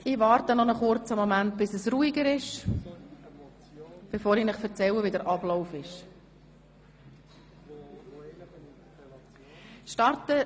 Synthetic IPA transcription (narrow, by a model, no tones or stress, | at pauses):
iʋɑːɾtənɔnɔχʊɾt͡səmɔmænt̚b̥ɪsəsruːiɡəɾɪʃ | b̥efoːɾinɪχfəɾt͡sɛləviːdəɾʔɑblaʊfɪʃ | ʃtɑɾtə